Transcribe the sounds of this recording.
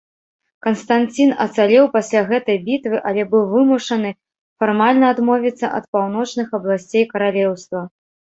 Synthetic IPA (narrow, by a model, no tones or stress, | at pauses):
kɐnst̪ant͡sʲinɐ̰t̪salʲɛwpasʲlʲaɣɛt̪ɐjbʲit̪vɨʔɐlʲɛbɨwvɨmuʂɐnɨ | farmalʲnɐːd̪mɔvʲit̪sːɐ̰ʔɐ̰t̪̚pawn̪ɔt͡ʂnɨxɐblˠasʲt͡sʲejkɐɾalʲɛwst̪vɐ